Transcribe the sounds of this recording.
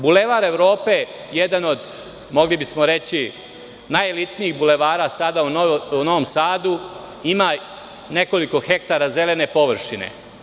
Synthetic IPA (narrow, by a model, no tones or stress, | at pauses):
bule̞ʋaɾe̞ʋɾo̞ːpe̞ | jed̪ano̞d̪ | mo̞ɡlibismo̞ɾe̞t͡ɕi | najelit̪niiɣbule̞ʋaːɾaːsad̪auuno̞ʋomsaːd̪u | ima | ne̞ko̞liko̞xe̞kt̪aɾaze̞le̞ne̞po̞ʋr̩ʃinḛ